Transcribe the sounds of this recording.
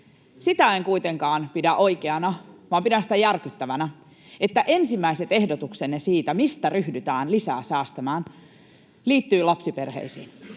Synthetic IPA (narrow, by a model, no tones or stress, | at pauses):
sit̪æeŋkujt̪eŋkɑːnpidæʔo̞jkeɑnɑʋɑːmpidænsi̥t̪æjærkyt̪ːæʋænæ | et̪ːæʔe̞nsimːæiset̪e̞hdot̪uksenːesiːt̪æmist̪æryhdyt̪æːnlisæ̰ːsæːst̪ɑmæːn | liːt̪ːyːlɑpsiperhḛisḭːn